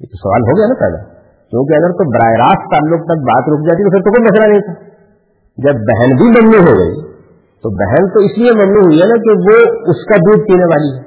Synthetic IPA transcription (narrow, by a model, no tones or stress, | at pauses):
jt̪osɐʋa̰ːlɦoɡɐjanapɛ̰d̪a̰ | kjõːk̬eɐɡəɾt̪obɐɾaːeɾaːst̪t̪aːlːʊk̚t̪ɐk̚baːt̪ɾʊkʰd͡ʒaːt̪it̪ofʰɪɾt̪okoimɐslanɐɦĩt̪ʰaː | d͡ʒɐbːɛɦɛnbʱimɐmluɦoɡɐ̰ḭ | t̪obɛɦɛnt̪oɪsliemɐmluːɦʊiɦɛnakeʋoʊskad̪uːd̪̚piːneʋaːliɦɛ